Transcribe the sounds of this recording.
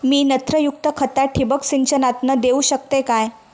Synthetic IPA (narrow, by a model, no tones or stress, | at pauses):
miːnət̪ɾəjuk̚t̪əkʰət̪aʈʰːibəksiɲt͡ɕənat̪nəd̪euɕək̚t̪ekaj